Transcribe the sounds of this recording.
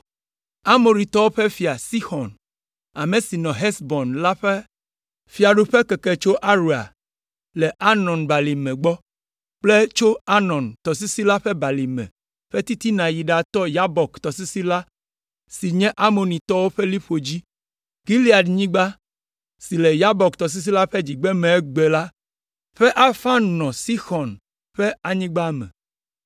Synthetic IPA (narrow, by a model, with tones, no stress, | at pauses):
a˦mo˨ɾĩ˨t̪ɔ˦wo˦ɸe˦fi˨a˨si˦xɔ˨n | a˨mẽ˨si˨nɔ̃˨ɦɛ˦sbɔ˨nla˦ɸe˦ | fi˨a˨ɖu˨ɸe˦kɛ˨kɛ˨t͡ʃo˦ʔa˦ɾu˨a̰˨ | lɛ˨ʔa˦nɔ̃˨nba˨li˨mɛ̃˨ɡ͡bɔ˦ | k͡ple˦t͡ʃo˦a˦nɔ̃˨nt̪ɔ˨si˦si˦la˦ɸɛ˦ba˨li˨mɛ̰̃˨ | ɸe˦t̪i˦t̪i˦nã˨ji˨ɖa˨t̪ɔ˦ja˦bɔ˨kt̪ɔ˨si˦si˦la˦ | si˨ɲɛ̃˦ʔa˦mo˨nĩ˨t̪ɔ˦wo˦ɸe˦li˦ɸo˨d͡ʑi˦ | ɡi˦li˦a˨ɖɲĩ˦ɡ͡ba˦ | si˨lɛ˨ja˦bɔ˨kt̪ɔ˨s̬i˦s̬i˦la˦ɸe˦d͡ʑi˨ɡ͡bɛ˦mẽ˨˦ɡ͡be˨la˦ | ɸe˦ʔa˦fa˦nnɔ̃˨si˦xɔ˨n | ɸe˦a˦ɲĩ˦ɡ͡ba˦mɛ̰̃˨